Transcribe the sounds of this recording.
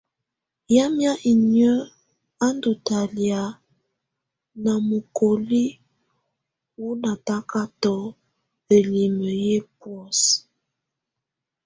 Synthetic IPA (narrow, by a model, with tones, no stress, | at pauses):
ja˦mja˦ʔi˨ɲə˦ | a˦ndu˨ta˨lja˨ | na˨mu˨ko˨li˦ | wu˦na˨ta˦ka˦tɔ˨˦ | ə˨li˨mə˨je˦pwɔ˦s